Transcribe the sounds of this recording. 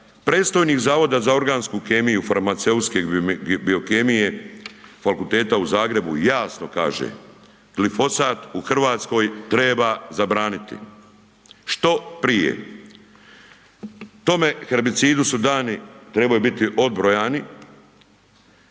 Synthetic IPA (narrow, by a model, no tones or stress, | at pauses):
pɾeːt̪st̪o̞jniːkzaːʋo̞d̪azao̞ɾɡaːnskukemijufaɾmat̪se̞ut̪skebio̞kemije̞ | fakulˠt̪e̞ːt̪auzaːɡɾe̞bṵjaːsnoka̰ːʒḛ | ɡ̥lifo̞saːt̪uxr̩ʋaːt̪sko̞ːjt̪ɾebazabɾaːnit̪ḭ | ʃt̪o̞pɾije̞̰ | t̪o̞me̞xeɾbit̪siːd̪usud̪aːnit̪ɾe̞bajubit̪iʔo̞d̪bɾo̞jaːni